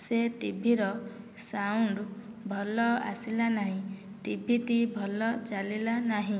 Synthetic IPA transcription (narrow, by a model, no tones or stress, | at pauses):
seʈibʱiɾɔ | sawuɳɖ | bʱɔlɔa̰silanaɦĩ | ʈibʱiʈibʱɔlɔt͡ʃalilanaɦĩ